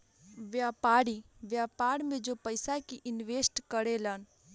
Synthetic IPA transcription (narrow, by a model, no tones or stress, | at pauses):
ʋjaːpaːɾiʋjaːpaːɾmẽd͡ʒopəɪsakiʔɪnʋeːsʈkəɾelən